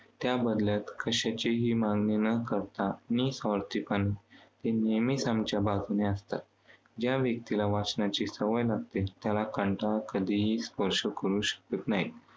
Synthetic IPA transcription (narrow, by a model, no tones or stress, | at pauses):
t̪jabəd̪ljat̪kʰəɕat͡ɕiɦiːmãŋɡninəkəɾt̪anisəɾt̪ipanit̪enemisãmt͡ɕjabad͡zneəst̪a̰t̪ | d͡ʑjaʋjək̚t̪ilaʋat͡snat͡ɕisəʋəjlaɡ̚t̪et̪jalakəɳʈakəd̪ʱiɦispəɾɕəkəɾuːɕə̥kət̪naɦi